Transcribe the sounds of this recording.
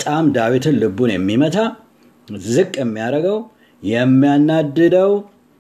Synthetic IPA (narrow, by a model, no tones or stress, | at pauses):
t̪ʼamd̪awit̪ʰɨnlɨbunjɛmːimət̪ʰa | zɨkʼːɛmːijaɾəɡəw | jɛmːijanːad̪ːɨd̪əw